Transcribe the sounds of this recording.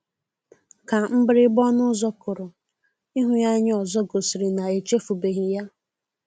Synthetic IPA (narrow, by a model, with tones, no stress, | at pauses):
ka˨m̩˦bɪ˦ɾɪ˦bɔ˦nʊ˦zɔ˦kʊ˨ɾʊ˨ | i˦ɦʊ˨ja˦ɲ˦ɔ˨zɔ˦ɡo˨si˨ɾɪ˨na˨e˨t͡ʃe˦fu˨be˨ɦi˨ja˦